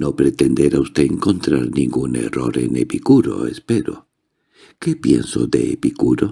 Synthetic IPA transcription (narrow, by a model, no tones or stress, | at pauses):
nopɾet̪end̪eɾaust̪eːŋkont̪ɾaɾnĩŋɡunḛroɾḛnepikuɾo̰espeɾo̰ | kepjḛnso̰ðḛepikuɾo